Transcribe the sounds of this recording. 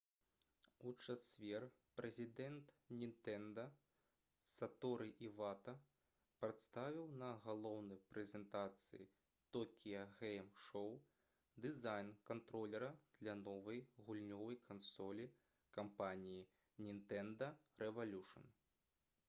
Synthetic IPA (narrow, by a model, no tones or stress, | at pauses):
ut͡ʂasʲvʲɛr | pɾɛzʲid̪ɛnt̪ | nʲint̪ɛnd̪ɐ | sat̪ɔɾɨʔivat̪ɐ | pɾɐt̪st̪avʲiwnɐɣalˠɔwnɐjpɾɛzʲɛnt̪at̪sɨ̰jḭ | t̪ɔkʲijɐɣɛjmʂɔw | d̪ɨzajnkant̪ɾɔlʲɛɾɐd̪̥lʲɐnɔvɐjɣulʲnʲɔvɐjkʰansɔlʲi | kampanʲiji | nʲint̪ɛnd̪ɐ | rɛvalʲuʂɐ̰n